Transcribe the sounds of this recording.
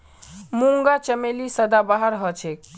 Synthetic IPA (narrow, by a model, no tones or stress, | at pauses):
muŋɡat͡ʃəmelisəd̪abaɦəɾɦət͡ʃʰek